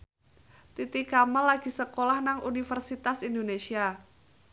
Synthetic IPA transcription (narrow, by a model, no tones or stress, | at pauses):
t̪it̪ikamalaɡ̥i̤səkolahnaŋunifərsit̪asindonesia